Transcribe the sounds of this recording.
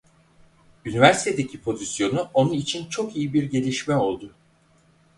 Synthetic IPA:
ynivæɾsi̥t̪ʰe̞d̪ecʰipʰo̞zisjo̞nuʔo̞nunit͡ʃʰint͡ʃʰo̞kijibiɾɟe̞lʲiʃmɛo̞lˠd̪ʊ

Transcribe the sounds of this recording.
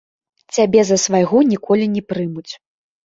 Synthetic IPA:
t͡sʲabʲɛzɐsvajɣɔnʲikʰɔlʲinʲɛpɾɨmut͡sʲ

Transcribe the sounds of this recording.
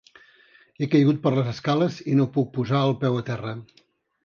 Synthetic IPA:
ekəjɣut̪̚pəɾləzəskaləzinopuk̚puzaəlˠpɛwət̪ɛrə

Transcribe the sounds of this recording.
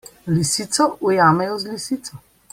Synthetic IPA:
lisiːt̪sɔʔujaːmɛjɔzlisiːt̪sɔ

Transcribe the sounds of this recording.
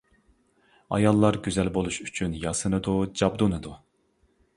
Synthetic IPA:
ɑ̰jɑlˠːɑɾɡʲyzɛlbolˠuʃyt͡ʃʰynjɑsɨnɨd̪ud͡ʒɑbd̪unɨd̪u

